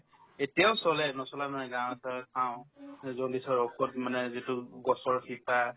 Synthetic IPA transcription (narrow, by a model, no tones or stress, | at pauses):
etijaʊsɔlɛnɔsɔlamanɛɡãw̃ɛtaɛkʰãʊ̃zɔdisɔɹɔkʰɔt̚manɛzitʊɡɔsɔɹkʰipa